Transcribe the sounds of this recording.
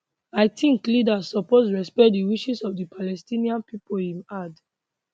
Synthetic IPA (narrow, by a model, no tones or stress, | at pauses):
aɪtʰĩŋklidasɔposɹɛspɛt̚diwiʃisɔvdipʰalɛstiniãnpipolĩnad